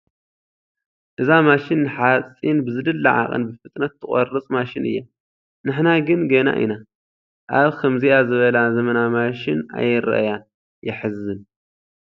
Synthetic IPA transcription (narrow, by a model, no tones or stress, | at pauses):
ʔɨzamaʃɪnːɨħat͡sʼːinbɨzɨd̪ɨlːɐʕa̰χʼɨ̰nbɨfɨt̪ʼnɐt̪ʰːɨχʼɐrɨt͡sʼmaʃɪnɨ̰jːa | nɨħnaɡɨnɡɐna̰ʔḭna | ʔaβkʰɐmziazɨβɐlazɐmɐnamaʃɪna̰jːɪɾɐ̰ʔja | jɪħɨzːɨn